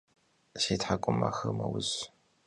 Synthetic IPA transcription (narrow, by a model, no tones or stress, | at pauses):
ʃeːtħakʷʼʊma̰xɨmɐwʊɕ